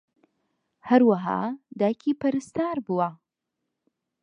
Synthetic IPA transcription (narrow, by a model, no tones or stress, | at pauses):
hɐɾwɐɦa̰ːd̪aːkʰiːpɐɾɨst̪aːɾbuwɐ